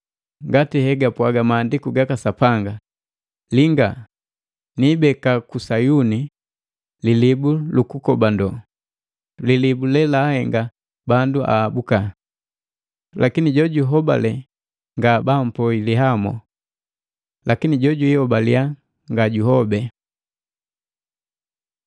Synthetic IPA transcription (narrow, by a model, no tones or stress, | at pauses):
ŋɡatihɛɡapwaɡamaːndikuɡakasapaŋɡa | liŋɡa | nibɛkakusajuni | lilibulukukɔbandɔ | lilibulɛlahɛŋɡa | banduʔa̰ːbuka | lakiniɟɔɟuɦɔba̰lɛ | ŋɡabam̩pɔiliɦamɔ̰ | lʔakiniɟɔɟuihɔbalia | ŋɡaɟuhɔbɛ